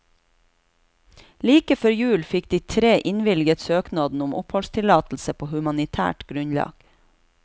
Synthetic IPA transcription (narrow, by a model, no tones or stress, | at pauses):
liːkəfœɾjʉːlfɪkd̪iːt̪ʰɾeːʔɪnʋɪlɡət̪søːknɑːd̪n̩ʊmʔʊphɔlst̪ʰɪlɑːt̪l̩səpʰoːhʉmɑnɪt̪ʰæ̰ːʈɡ̥ɾʉɲlɑ̰ːɡ̥